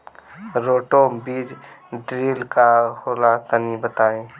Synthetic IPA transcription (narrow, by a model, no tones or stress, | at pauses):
ɾoːʈobiːd͡ʒɖɾiːlkahoːlat̪ənibət̪aːeː